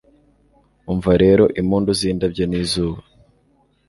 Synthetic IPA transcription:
uɱvaɾe̞ɾo̞ʔimuːnduziːndabɟoniːzuːβa

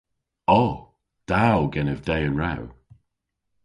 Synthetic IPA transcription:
ɔ | d̥awɡɛnəvdɛjənɹaw

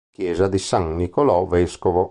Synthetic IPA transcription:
k̟jɛːzad̪isaŋːikolɔvɛskovo

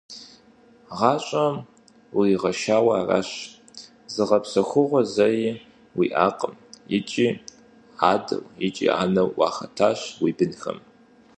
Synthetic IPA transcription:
ʁɑːɕʼɐm | wijʁɐʃaːwɐaːra̰ːɕ | zɨʁɐpsɐxʷʊʁʷɔzɐj | wḭːʔaːqʼəmjɪt͡ʃʼiː | aːdɐ̰wjɪt͡ʃʼḭːa̰ːnɐwwɑːxɐtʰaːɕwiːbɨnxɐ̰m

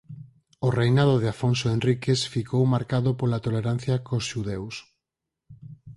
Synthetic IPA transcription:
orejnaðoðeafonsoenrikesfikowmaɾkaðʊpolat̪oleɾan̟θjɐkosʃuðews

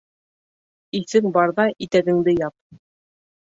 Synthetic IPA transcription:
iθɘŋbɑɾðɑʔit̪æɡɘ̆ŋd̪ɘjɑp̚

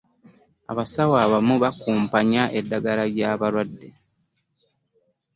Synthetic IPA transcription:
a̰βasawaːβamuβakuːmpaɲaʔedːaɡalaɾjaːβalwadːe̞

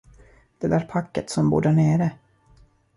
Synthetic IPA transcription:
d̪̥ɛd̪æːɾpʰakːət̪sɔmbṵːɖæɳeːɾə

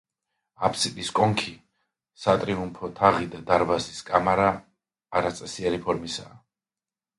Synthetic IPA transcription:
apʰʼsilʼiskʼɔŋkʰi | sat̪ʼɾiumpʰɔt̪ʰaʁid̪ad̪aɾvaziskʼamaɾaː | ɾat̪sʼɛsiɛɾipʰɔɾmisaː

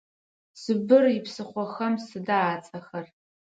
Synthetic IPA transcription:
sɨbɨripʰsɨχʷɔxɐmsɨdaːt͡sʼɐxɐr

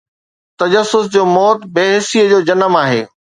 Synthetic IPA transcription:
t̪ɐd͡ʑəsʊsd͡ʑoːmɔːt̪beːɦɪsijəd͡ʑoːd͡ʑɐnəmaːɦḛː

